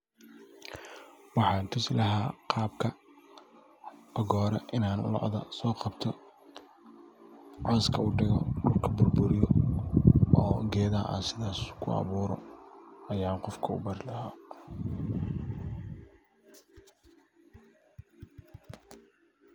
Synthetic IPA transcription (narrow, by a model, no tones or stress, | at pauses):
wɑħɑːnt̪ʰʊslɐɦaːqɑːbkʰɐ | ʔɔɣɔːɾɛʔɪnaːnʊ̰lɔ̰ʕðɐ̰sɔːqɑbt̪ʰɔ | ʕɑskʰɐʊɖɪɣɔɖʊrkʰɐbʊrbʊɾɪjɔ | ɔːɡɛːðaʔa̰ːnsɪðaːskʰʊɑ̰βuːɾɔ̰ɐjaːnqɔfkʰɐʊ̰bɐɾɪlɐhaː